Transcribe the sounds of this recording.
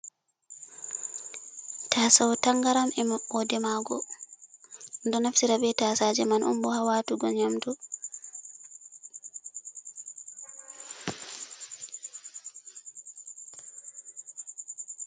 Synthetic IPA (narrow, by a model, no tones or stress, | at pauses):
tasawɔtaŋɡaɾamʔɛmaʔɔdɛmaːɡɔ̰ | ndɔnaftiɾabɛtaːsaːd͡ʒɛmanʔɔ̰mbɔhawatuɡɔɲamdu